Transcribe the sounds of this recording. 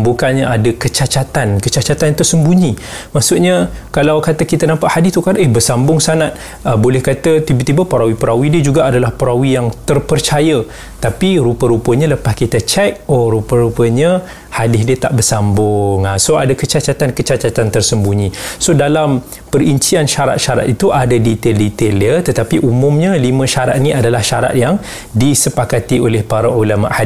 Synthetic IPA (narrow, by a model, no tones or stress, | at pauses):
bukanɲəʔadəkət͡ʃat͡ʃat̪ankət͡ʃat͡ʃat̪ant̪ʊʔsəmbuɲi | maʔsuʔɲəkalawkat̪əkit̪ənampaʔhadɪst̪ukadehbərsambʊŋsanat̪̚ | əbolɛhkat̪ət̪ibət̪ibəpəɾawipəɾawidiəd͡ʒuɡaadalahpəɾawijaŋt̪ərpərt͡ʃajə | t̪apiɾupəɾupəɲələpaskit̪ət͡ʃɛk̚oɾupəɾupəɲə | hadɪɦdiət̪aʔbərsambʊŋasoadakət͡ʃat͡ʃat̪ankət͡ʃat͡ʃat̪ant̪ərsəmbuɲĩsodalam | pəɾiɲt͡ʃianʃaɾa̰t̪̚ʃaɾa̰t̪it̪uʔadadit̪eldit̪eliət̪ət̪apiʔumʊ̃mɲə̃limə̃ʃaɾa̰t̪̚nĩadalahʃaɾa̰t̪̚jaŋ | disəpakat̪iolɛhpaɾaʔolama̰ʔhad